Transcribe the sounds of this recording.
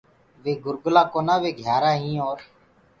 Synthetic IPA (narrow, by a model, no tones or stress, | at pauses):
ʋeːɡʊɾɡʊlaːkoːnaːʋeːɡʱjaːɾaːɦĩːoːɾ